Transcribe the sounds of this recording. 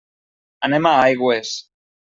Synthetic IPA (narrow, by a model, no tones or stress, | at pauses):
anemaajɣwes